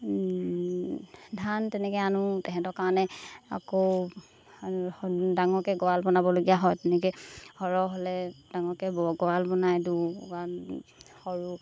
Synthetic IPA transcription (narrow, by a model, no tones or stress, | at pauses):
dʱantɛnɛkɛanʊtɛkɛ̃tɔkaɹɔnɛa̰kow | daŋɔɹkɛɡɔalbɔnabɔloɡijaɦɔjtɛnɛkɛhɔɹɔɦolɛd̥aŋɔɹkɛbɡɔalbɔnajduɡa | hɔɹu